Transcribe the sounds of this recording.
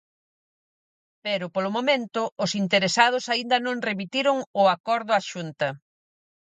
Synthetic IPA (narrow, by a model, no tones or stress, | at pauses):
peɾʊpolʊmomẽnt̪ʊʊsint̪eɾesað̞ʊsaind̪ɐnõŋremit̪iɾʊŋʊakɔɾðʊaʃunt̪ɐ